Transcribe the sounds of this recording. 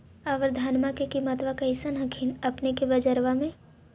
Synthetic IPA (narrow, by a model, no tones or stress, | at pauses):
ɐʋəɾd̪ʱaːnmakekimət̪ʋakɐɪsənɦəkʰinɐpnekebɐd͡ʒəɾʋamẽ